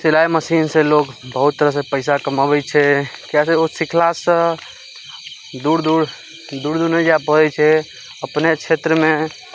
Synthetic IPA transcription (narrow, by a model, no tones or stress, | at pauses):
silajməsinselokbəɦut̪ːəɾəsepəɪsakəməbɛt͡ʃʰɛkjaseosikʰlasə̃ | d̪uɾd̪uɾ | d̪uɾd̪uɾned͡ʒapəɛt͡ʃʰɛ | əpnekt͡ʃʰet̪ɾəmẽ